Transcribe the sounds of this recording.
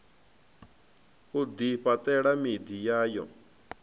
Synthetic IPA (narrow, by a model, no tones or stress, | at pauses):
od̪ipat̪ɛɽamid̪ijaːjɔ̰̃